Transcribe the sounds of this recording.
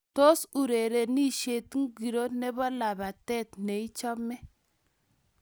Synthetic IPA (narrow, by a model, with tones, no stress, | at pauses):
to˦su˨ɾe˨ɾe˨ni˦ʃe˨tŋ˦ɡi˨ɾo˦nɛ˦bɔ˦la˨ba˨tɛ˦˨tne˨i˦t͡ʃɔ˦mɛ˦